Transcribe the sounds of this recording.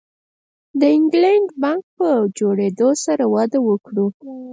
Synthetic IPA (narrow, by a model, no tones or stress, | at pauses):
d̪əɪŋɡlaɳɖbɑŋk̚pəd͡ʒoɽed̪osaɾawɑd̪əwəkɽu